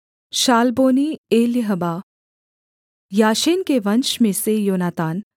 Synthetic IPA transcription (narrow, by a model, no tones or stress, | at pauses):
ʃaːlboːnieːljəɦəbaː | jaːʃeːnkeʋɐnt͡ʃmẽsejoːnaːt̪aːn